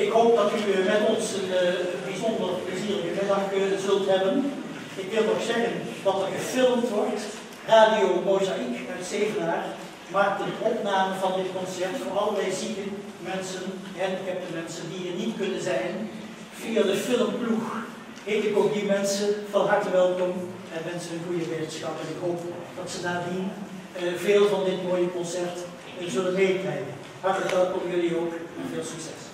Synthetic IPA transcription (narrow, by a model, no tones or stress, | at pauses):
ɪkɦoːp̚dɑtymɛtɔnsənbizɔndərpləziːrəkəɛlɑkzɵlˠtɦɛbən | ɪkʋɪlˠtoxsɛɣəndɑtərvərfɪlˠmtʋɔrt | raːdiomowzaʔikœɥtseːvənaːr | maːk̚tədʔɔpnaːməvɑndɪtkɔnsɛɹtfoɑlˠərlɛjziɡə | mɛnsənɦɛnɪkɦɛp̚dəmɛnsəndiərnitkɵnənzɛjn | v̥iːadəfɪlˠəmplux | ɦetɪkoːk̚dimɛnsəfɑnɦɑɹtəkʋɛlˠkɔm | ɛnmɛnsənənɣujəʋetənsxɑpənɪkɦoːpd̥ɑtsədaːdin | veːlˠvɑndɪtmoːjəkɔnsɛrt | əzɵlənmeːklɛjkə | ɦɑɹtələkʋɛlˠkɔmjɵlioːkɪnveːlˠsyksɛ̰s